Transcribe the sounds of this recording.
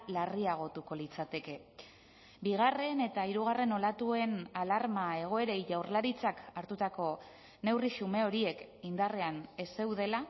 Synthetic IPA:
lariaɣ̞o̞t̪uko̞lit͡sat̪e̞ke̞ | biɣ̞are̞ne̞t̪aiɾuɣ̞are̞no̞lat̪ue̞nalaɾmae̞ɣ̞o̞e̞ɾe̞jʝawrlaɾit͡sakaɾt̪ut̪ako̞ | ne̞wriʃume̞o̞ɾie̞kind̪are̞ane̞se̞wðe̞la

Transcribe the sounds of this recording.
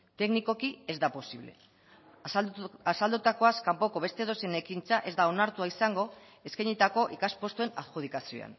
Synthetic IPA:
t̪e̞kniko̞kie̞zd̪apo̞siβ̞le̞ | asald̪ut̪ako̞askampo̞ko̞βe̞st̪e̞ðo̞se̞ne̞kint͡saʔe̞zd̪ao̞naɾt̪uaisaŋɡo̞ | eskajɲit̪ako̞ʔikaspo̞st̪ue̞naðxuð̞ikasio̰a̰n

